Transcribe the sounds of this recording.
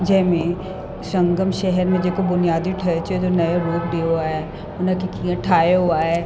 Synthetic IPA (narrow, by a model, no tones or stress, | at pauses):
d͡ʒɛɦmẽ | sɐ̃ŋɡəmʃɛɦɛɾmẽd͡ʒeːkobʊnijaːd̪iʈʰɐɾt͡ʃed͡ʒonɐjaɾuːpɖeɦoaɦɛ | ʊnãkikʰijãʈʰaːeɦoaɦɛː